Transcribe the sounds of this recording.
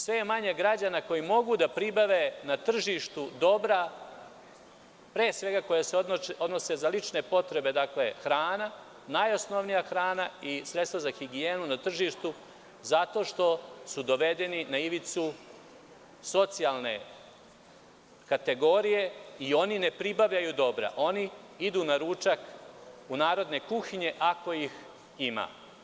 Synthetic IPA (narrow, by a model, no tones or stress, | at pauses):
sʋe̞jemaɲe̞ɡɾad͡ʑanako̞jimo̞ɡud̪apɾibaʋe̞nat̪r̩ʒiʃt̪ud̪o̞bɾa | pɾeːsʋe̞ɡako̞jaseood̪no̞se̞zalit͡ʃne̞po̞t̪ɾe̞be̞d̪akle̞xɾaːna | najo̞sno̞ʋnijaxɾaːnaisɾet̪st̪ʋazaxiɡieːnunat̪r̩ʒiːʃt̪u | zat̪o̞ʃt̪o̞sud̪o̞ʋe̞d̪e̞ninaiʋit̪su | so̞t̪sijalˠne̞̰ | kat̪e̞ɡo̞ɾije̞io̞nine̞pɾibaʋʎajud̪o̞bɾa̰ʔo̞ni | id̪uːnaɾuːt͡ʃakunaːɾo̞d̪ne̞kuxiɲe̞ʔako̞ix | ima̰ː